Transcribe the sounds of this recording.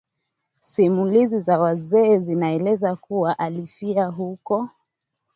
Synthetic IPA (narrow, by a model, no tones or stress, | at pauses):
simulizizawazɛːzinaɛlɛzakuwaʔalifiaɦukɔ